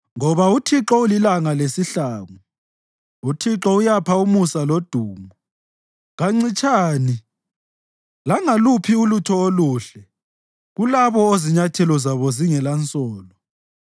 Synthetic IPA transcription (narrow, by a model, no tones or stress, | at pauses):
ŋɔβautʰiǁɔulilaŋalesiɬaːŋu | utʰiǁɔujapʰaumusalod̥ʱuːmu | ɣaŋ͡ǀit͡ʃʰʼaːni | laŋalupʰiulutʰɔoluːɬɛ | ɣulaβɔoziɲatʰɛlɔzaβɔziŋɛlant͡sʼɔːlɔ